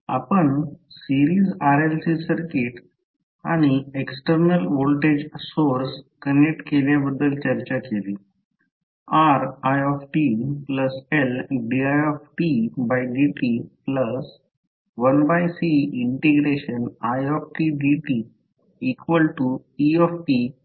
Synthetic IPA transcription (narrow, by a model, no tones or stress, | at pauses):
a̰pəɳsiɾiːzaɾelsisəɾkiʈ | aɽ̃ieksʈəɾnəlʋolʈed͡ʑsoɾskənek̚ʈkeljabəd̪ːəlt͡ɕəɾt͡ɕakeliː | aɾajɔfʈipləselɖiajɔfʈibajɖiʈipləs | ʋənbajsiiɳʈeɡɾeɕənajɔfʈiɖiʈiː | kʋəlʈuiɔfʈi